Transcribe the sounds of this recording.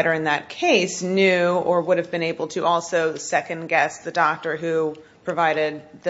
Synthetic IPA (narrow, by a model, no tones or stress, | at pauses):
ɪɾə˞ɨ̃nðɨt̚kʰeɪsnjʉə˞wʊɾɨvbɨ̃ñeɪbl̩ˠtʰɨʔɔlˠsoʊsɛkɨ̃nɡɛsðɨdɑk̚tə˞ɦʉ | pʰɹ̥ɨvaɪɾɪd̪̚ðɨ